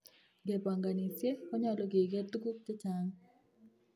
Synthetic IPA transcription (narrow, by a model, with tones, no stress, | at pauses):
ɡe˨pa˨ŋɡa˨ni˨sje˦kɔ˦ɲa˦lɔ˨ɡe˨ɡe˦t̪u˦ɡu˦t͡ʃe˦t͡ʃaŋ